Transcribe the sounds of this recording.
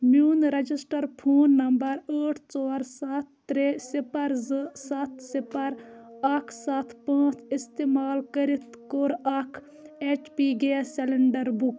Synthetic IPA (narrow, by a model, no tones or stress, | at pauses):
mjuːnɾɐd͡ʒisʈɐɾpʰoːnːɐmbɐɾəːʈʰt͡sɔːɾsat̪ː | ɾesipɐɾzɨsɐt̪ʰsipɐɾɐkʰsɐt̪ʰpãːt͡ʃʰist̪eːmaːlkɐɾit̪koɾɐkʰ | et͡ʃpiːɡeːsɛlɪɳɖɐɾbuk